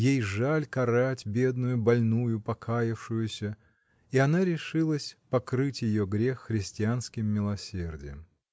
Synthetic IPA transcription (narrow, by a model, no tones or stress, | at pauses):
jejʐalʲkɐɾatʲbʲe̞d̪nʊjʊbɐlʲnujʊpɐkʰajɪfʂʊjʊsʲə | iɐnaɾʲɪʂɨlˠəsʲpɐkɾɨtʲjɪjoɡɾʲe̞xːɾʲɪsʲtʲɪanskʲɪmːʲɪlˠɐsʲerdʲɪ̰jə̰m